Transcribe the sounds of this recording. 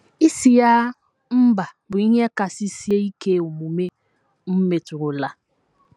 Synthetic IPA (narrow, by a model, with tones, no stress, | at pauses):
i˦si˦ja˦ | m̩˦ba˨ | bu˨i˦ɲ˦ɛ˦ka˨si˦si˦e˦i˦ke˦o˨mu˨me˦ | m̩˦me˨tu˨ɡo˨la˨